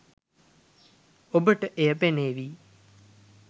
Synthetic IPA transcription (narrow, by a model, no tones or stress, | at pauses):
obəʈəʔejəpeneːʋiː